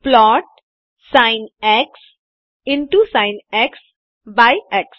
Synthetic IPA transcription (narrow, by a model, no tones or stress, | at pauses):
plɔːʈ̚ | sãɪ̃nɛks | ɪ̃ɳʈusãɪ̃nɛks | baɪɛks